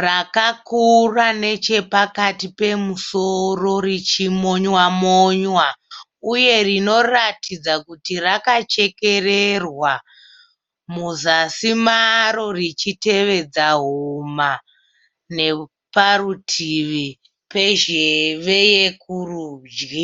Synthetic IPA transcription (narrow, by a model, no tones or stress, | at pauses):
rakakurane̞t͡ʃe̞pakatipe̞musoro̞rit͡ʃimo̞ɲwamoɲwa | uje̞rino̞ratʰid͡zakutirakat͡ʃe̞ke̞rerwa | muzasimaɾo̞rit͡ʃite̞ʋe̞d͡zaɦuma | ne̞ | parutʰiʋi | pe̞ʒeʋe̞jekuruːd͡ʒɡi